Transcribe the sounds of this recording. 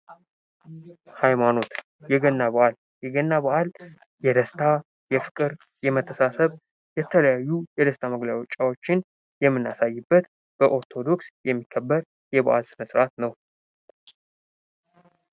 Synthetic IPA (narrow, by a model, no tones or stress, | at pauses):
hajmano̞t̪ | jɛɡənːaβəʔal | jɛɡənːaβəʔal | jɛd̪əst̪ʰa | jɛfɨ̥kʼɨɾ | jɛmət̪ʰːəsasəβ | jɛt̪ʰələjajːujɛd̪əst̪ʰaməɡlaot͡ʃʼːawo̞t͡ʃːɪn | jɛmːɨnːasajːɨbːət̪ | b̥əʔo̞ɾt̪ʰo̞d̪o̞ksjɛmːikʰːəbːəɾ | jɛbəʔalsɨməsʼɾat̪nəw